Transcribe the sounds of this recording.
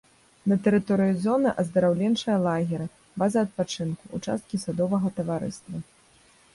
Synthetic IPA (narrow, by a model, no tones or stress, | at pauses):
nɐt̪ɛɾɨt̪ɔɾɨjuzɔnɨʔɐzd̪ɐɾawlʲɛnt͡ʂɐjɐlˠaɣʲɛɾɨ | vazɐɐt̪̚pat͡ʂɨnkuʔːt͡ʂa̰st̪̚kʲisad̪ɔvɐɣɐt̪ɐvaɾɨ̰st̪vɐ